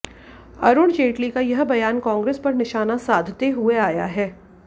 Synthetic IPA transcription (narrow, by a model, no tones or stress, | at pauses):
ɐ̰ɾʊɽd͡ʒeːʈlikajɐɦbɐjaːnkãːŋɡɾeːspɐɾnɪʃaːnasaːd̪ʱt̪eɦueaːja̰ɦɛː